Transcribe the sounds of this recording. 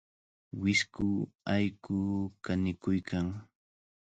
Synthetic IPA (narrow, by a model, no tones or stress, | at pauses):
wɪskʊajkʊkanɪkʊjkʰaŋ